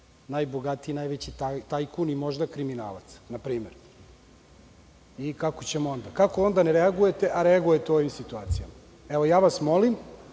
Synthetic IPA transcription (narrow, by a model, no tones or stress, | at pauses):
najboɡat̪iinajʋet͡ɕit̪at̪ajkunimo̞ʒd̪akɾimina̰ːla̰t̪snapɾiːmeɾ | ikako̞t͡ɕe̞moo̞nd̪akako̞o̞nd̪aneɾeaɡujet̪e̞ʔaɾeaɡuje̞t̪eo̞ʋimsit̪uaːt̪sijama | eʋo̞jaːʋasmo̞lim